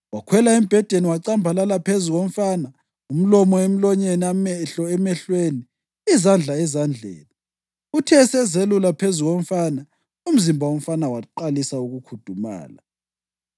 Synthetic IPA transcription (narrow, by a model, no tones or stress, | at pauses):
wakʰwɛlaim̩b̥ʱɛd̥ʱeniwaǀambʱalalapʰezuɣom̩faːna | um̩lɔmɔem̩lɔɲeniamɛɬɔɛmɛɬweniː | zand͡ɮʱaɛzand͡ɮʱɛ̰ːni | utʰɛsɛzelulapʰezuɣom̩fana | um̩zimbʱaom̩fanawaǃalisauɣukʰud̥ʱuma̰ːla̰